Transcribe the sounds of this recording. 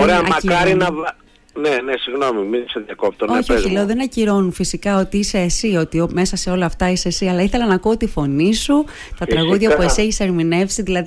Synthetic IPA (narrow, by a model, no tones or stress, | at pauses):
oɾeɐmɐɐkɐɾinɐv | nenesiɣno̞miminiseðjɐkop̚t̪oo̞çioileoðenɐciɾo̞nufisikɐo̞t̪iise̞ːsio̞t̪iome̞sɐse̞o̞lɐːft̪ɐisesiɐlɐiθe̞lɐnɐkoot̪ifo̞nisu | t̪ɐt̪ɾɐsɣuðʝɐpuesieçi̥seɾmine̞fsiðilɐði